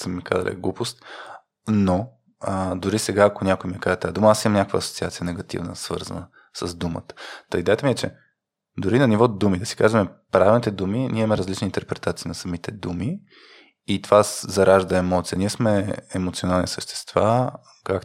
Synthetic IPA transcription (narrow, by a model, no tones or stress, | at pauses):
səmːika̰zə̰lɛ̰ɡlˠupost̪̚ | no | əd̪ʊɾisɛɡaːkonʲakojmiɛkazɛt̪aɛd̪uməasimɐmnʲakəkvə̰ːso̥tsiat̪sijənɛɡɐt̪ḭvnə̰svɤ̰ɾzə̰nə | səzd̪umə̰t̪ə̥t̪əid̪ɛjət̪əmiɛt͡ʃɛ | d̪ʊɾinɐnivɔd̪umid̪ɐsi̥kazvɐmɛpɾavʲilˠnit̪ɛd̪uminʲiɛmmɛɾəzlit͡ʃnint̪ɛɾpɾɛt̪at̪sinɐsɐmit̪ɛd̪umi | it̪ovaszɐɾaʒd̪əɛmɔt̪sijəniɛsmɛːmot̪sionalˠnḭsəʃt̪ɛ̥st̪va | kak